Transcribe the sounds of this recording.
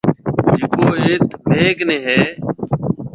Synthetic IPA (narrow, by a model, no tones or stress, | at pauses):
d͡ʒd͡ʒɪkoːeːt̪meːkneːɦɛː